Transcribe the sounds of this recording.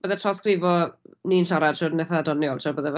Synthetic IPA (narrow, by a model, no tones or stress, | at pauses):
b̥əðɛtʰrɔskrɪvɔniːnʃaɾad̥ʃɔrnɛθaadɔnjɔlˠʃʰɔbəðɛv